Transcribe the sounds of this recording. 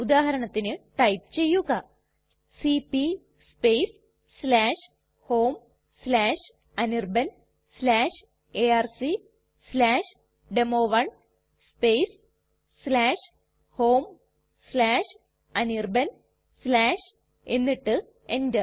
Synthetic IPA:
ud̪aːɦɐɾɐɳɐt̪ːinɨʈɐjpt͡ɕe̞jːuɣɐ | sipi | speːs | slaːʂ | hoːm | slaːʂ | ɐnirbɐn | slaːʂ | eaːrsi | slaːʂ | ɖemoːʋɐɳ | speːsː | laːʂ | hoːm | slaːʂ | ɐnirbɐn | slaːʂ | e̞nːiʈːɨ | endɨ

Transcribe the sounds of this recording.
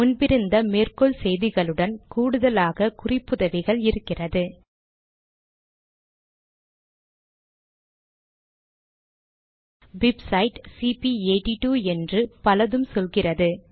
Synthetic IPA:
mʊnbɪɾɯnd̪ɐmeːrkɔɭsɛjðɪɣɐɭɯɽɐnkuːɽɯðɐlaːɣɐkʊrɪpːɯðɐʋɪɣɐɭɪɾɯkːɪrɐðɯ | bɪbsɐɪʈsipieːʈːiʈuːɛndrɯpɐlɐðɯmsɔlɣɪrɐðɯ

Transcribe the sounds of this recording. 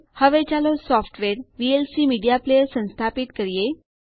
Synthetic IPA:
həʋet͡ɕalosɔfʈʋeɾʋielsiːmiɽijaplejəsə̃w̃st̪ʰapit̪kəɾije

